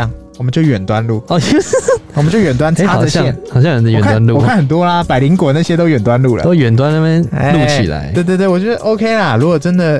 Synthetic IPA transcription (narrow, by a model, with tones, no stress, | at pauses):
ŋ | wɔ˨˩mə˦t͡ɕjo˥˩ʊɥɛ˨˩nt̪wa˦˥nlu˥˩ɔ˧˩˥wɔ˨m˩ə˦t͡ɕo˥˩ʊɥɛ˨˩nt̪wa˥nʈ͡ʂa˥˨na˥˧˩ɛ˥ɑ˨˩ʊɕjɑ˥˧ɻə˧˦nə˧˨ɛ˨kʰa˥˨wa˥nlu˥˨wkʰnxə˨˩nt̪wɔ˥lɐ˧pa˨ɪli˧˥ŋkwɔ˧˦na˥˩ɕjɛ˥t̪o˥ʊɥɛ˨˩nt̪wa˥˦nlu˥˩lə̰˨t̪o˥ʊjɥɛ˨˩nt̪wa˥˦nə˥˧mə˥ḛ˧lu˥˩t͡ɕʰḭ˨˩la̰˧˦ɪwe˥˧ɪt̪wt̪wwɔ˨˩t͡ɕɥɛ˧˥d̪ə˧ʔo˥ʊkʰe˥ɪlɐ˨ɻu˧˥kwɔ˨˩ʈ͡ʂə˥nd̪ə˨